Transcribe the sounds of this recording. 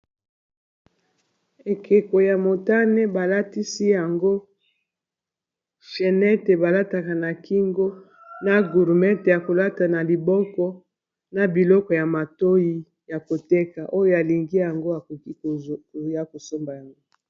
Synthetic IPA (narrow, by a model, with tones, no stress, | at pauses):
e˨kʰe˨ko˨ja˨mo˨ta˦ne˦ba˨la˦ti˦si˦ja˨ŋɡo˦ | ʃe˨nɛ˦te˨ba˨la˦ta˨ka˨na˨ki˦ŋɡo˦ | na˦ɡu˨ʁmɛ˦te˨ja˨ko˨la˦ta˨na˨li˨bɔ˦kɔ˦ | na˨bi˨lɔ˦kɔ˨ja˨ma˨to˦ji˦ | ja˨ko˨te˦ka˨ʔo˦jo˦a˨li˨ŋɡi˦ja˨ŋɡo˦a˨ko˨ki˦ko˨ja˦ko˨so˦mba˨ja˨ŋɡo˦